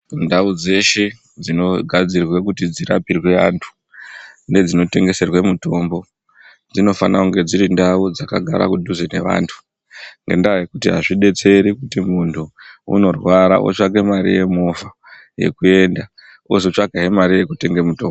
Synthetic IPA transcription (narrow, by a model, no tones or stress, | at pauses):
ndaud͡ze̞ʃe | d͡zino̞ɡʱad͡zirwe̞k̬utid͡zira̰pirwe̞a̰ntʰu̥ | ne̞d͡zino̞te̞ŋɡe̞se̞rwe̞muto̞mbo̞ | d͡zino̞fanakuŋɡe̞d͡ziɾindaud͡zakaɡʱa̰ɾa̰kudʱuzene̞ʋa̰ːntʰu̥ | ŋɡḛndajekutiɦaʐiɗe̞t͡se̞ɾikutimuntʰuṵno̞rwaɾa̰ʔo̰t͡ʃaɡe̞maɾḭje̞mofa | je̞̰kue̞nda | os̬ot͡ʃaɡʱaɦemaɾije̞kute̞ŋɡemuto̞mbo